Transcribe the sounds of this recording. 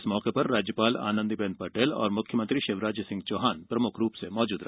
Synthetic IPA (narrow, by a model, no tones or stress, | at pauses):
smɔːqepɐɾːaːd͡ʒjəpaːla̰ːnə̃nd̪ibẽːn̚pɐʈeːlɔ̰ːɾmʊkʰjəmə̃nt̪ɾiʃeʋɾaːd͡ʒsɪ̃ŋɡt͡ʃoːɦaːnpɾɐmʊkʰɾuːpsemɔːd͡ʒuːd̪ɾɐ